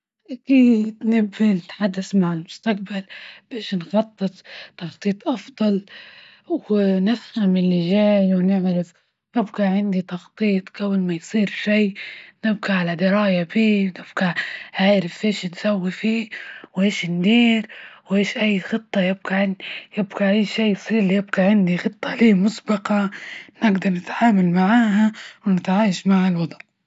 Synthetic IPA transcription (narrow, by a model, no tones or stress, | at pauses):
ʔakiːd̪nɪbːinɪt̪ħad̪ːasmaʕalmʊst̪ak̚balb̥eːʃnxɑt̪ˤːɨt̪ˤt̪ːɑxt̪ˤiːt̪ˤʔɑfd̪ˤɑl | wnɪfhamɪlːɪʒaːjwnɪʕɾɪf | ʔɪbɡaʕɪnd̪it̪ɑxt̪ˤiːt̪ˤkawːalmajsˤiːɾʃiːnɪb̚ɡaʕalad̪ɪɾɑːjabiːnɪb̥ɡaʕaːɾɪfʔeːʃnsawːifiːwʔeːʃnd̪iːɾwʔeːʃʔajːxɨt̪ˤːɑjɪb̚ɡaʕɪnjɪbɡaʔajːʃaːsˤiːɾlːijɪb̚ɡaʕɪnd̪ixɨt̪ˤːɑliːmʊsbɑqɑnɪɡd̪ɑɾˤnɪt̪ʕaːmalmaʕaːɦawnɪt̪ʕaːjaʃmaʕalwɑd̪ˤʕ